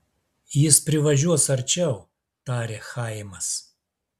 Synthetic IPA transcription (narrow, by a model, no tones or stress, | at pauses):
jɪspʲɾʲɪʋɐʒʲuɔsɐɾʲt͡ʃʲɛʊ | t̪ɑːɾʲeːxɑɪmɐs